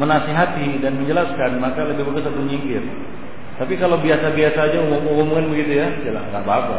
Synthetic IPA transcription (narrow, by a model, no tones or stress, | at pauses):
mənasiɦat̪idanməɲd͡ʒəlaskanmakaləbɪhbəɡʊsat̪uɲiŋkɪr | t̪apikalawbiasabiasaːd͡ʒaumumumumuŋanbəɡit̪ujad͡ʒəla̰ɡa̰bapa̰